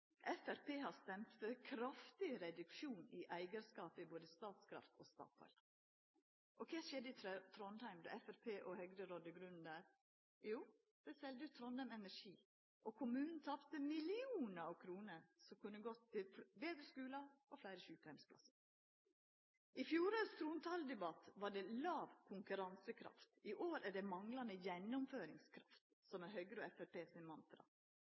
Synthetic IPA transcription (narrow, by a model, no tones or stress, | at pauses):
ʔɛfæɾpʰeːhɑst̪ɛmt̪fəkʰɾɑft̪ɪɾɛd̪ʉkʃuːniʔæɪɡəɾskɑːpəɪboːd̪əst̪ɑːt̪skʰɾɑ̰ft̪ʰoːst̪ɑ̰ːt̪ʰɔ̰ʏl | ʔɔkʰeːʃɛd̪ːəɪt̪t̪ʰɾɔnhæɪmd̪ɛ̰ɛfæɾpʰeːʔɔhœɡɾəɾod̪əɡɾʉnn̩d̪æːɾ | juː | d̪̥ɛsɛld̪əʉːt̪ʰɾɔnd̪ɑmɛnæʂiː | ʔɔkʰʊmʉːnn̩t̪ʰɑpt̪əmɪlɪuːnəɾɑʋkʰɾuːnəɾsɔmkʉnːəɡɔt̪ʰːɪʋeːd̪ɾəskʉːlɑɔflæɪɾəʃʉːpæɪmspʰlɑ̰səɾ | ʔɪfjuːɾɑst̪ʰɾuːnt̪ʰɑld̪ɛbɑt̪ʋɑɖɛlɑːʋkʰʊŋkʉɾɑnsəkʰɾɑ̰ft̪ɪʔoːɾædɖɛmɑŋlɑnəjɛnːʊmføːɾɪŋskʰɾɑft̪ | sɔmɛhœɡɾəoːɛfæɾpeːsɪmɑnt̪ɾɑ̰